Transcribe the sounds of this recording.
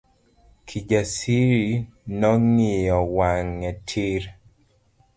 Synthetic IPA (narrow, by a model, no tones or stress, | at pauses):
kʰid͡ʒasiɾinɔŋɪjɔwaŋːɛtʰiɾ